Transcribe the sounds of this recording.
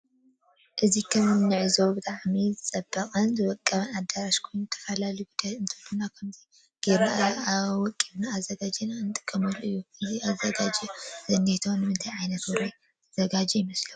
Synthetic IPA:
ʔɨzikʰɐmnːɨʕɨzo̞bɨt̪ʼaʕmizɨt͡sʼɐbːɐkʼɐnzɨwɔkʼːɐβɐnad̪ːɐɾaʃkʰojnt̪ʰɐ̥fɐlaljubɨd̪ɐɨnt̪ʰɨlunakʰɐmzi | ɡ̥eɾaʔɐawɔkʼiβnaːzɐɡad͡ʒinanɨt̪ʼɨ̥kʼːɐmɐluɨjːukʰɐnziazːɐɡad͡ʒɛz̥ɐnːet̪ʰonɨmɨnt̪ʰajʕajnɐt̪wɔɾoj̪ʰ | ɐz̥ɐɡad͡ʒɛjɪmɐslɐwu

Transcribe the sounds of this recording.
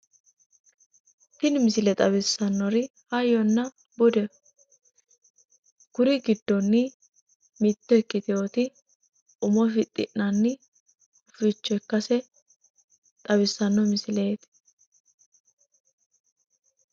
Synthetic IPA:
t̪ɪnmɪsɪlɛt̪ʼɐβɪsːɐnːɔɾɪhɐjɔnːɐ | bʊd̪ɛ | ɡ̥ʊɾɪɡɪd̪ːɔnːɪ | mɪt̪ːɛɛkːɪt̪ɪoːt̪ɪ | ʊmɔfɪt̪ʼːɪ̰ʔnɐnːɪ | ʊfɪt͡ʃːɔɛkːɐsɛ | t̪ʼɐbɪsːɐnːɔmɪsɪle̞ːt̪

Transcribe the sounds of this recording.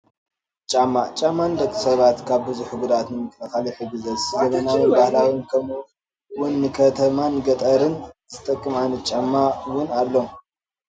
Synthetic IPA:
t͡ʃʼamːat͡ʃʼamːandɐt̪ʰːɐ̥sɐβat̪kʰaβbɨzuħbud̪at̪nɨmɨk̪ʰʼɐxaliħɨɡɨzɐszɐβɐnawinbahlawinkʰɐmu | wʊnːɨkʰɐt̪ʰɐmanɡɐt̪ʼɐɾɨnzɨt̪ʼɐkʼːɨmajnɐt̪̚t͡ʃʼamːawʊnalːom

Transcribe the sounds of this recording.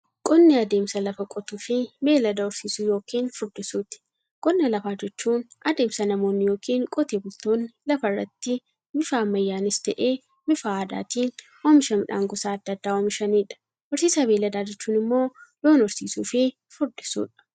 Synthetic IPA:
kʼɔnːɪɐd̪e̞ːmsɐlɐfɐkʼɔt̪uːfɪme̞ːlɐd̪ɐʊɾsiːsuːjo̞ːkiːnfʊɾd̪ɪsuːt̪ɪ̥ | kʼɔnːɐlɐfaːd͡ʒɛt͡ʃːuːnɐd̪e̞ːmsɐnɐmo̞ːnːɪjoːkʰiːŋkʼɔt̪eːbʊlt̪oːnːɪlɐfɐrːɐ̰t̪ːɪ | mɪfaːmːɐjːaːnɪst̪ɐʔeː | mɪfaːd̪a̰ːt̪iːn | wɔmɪʃɐmɪᶑa̰ːŋɡʊsaːɐd̪ːɐd̪ːaːwɔmɪʃɐniːᶑɐ̥ | ʔʊɾsiːsɐbeːlɐd̪aːd͡ʒɛt͡ʃːuːnɪmːo̞ːjoːnɔɾsḭːsuːfɪ | fʊɾd̪ɪsṵːᶑɐ̥

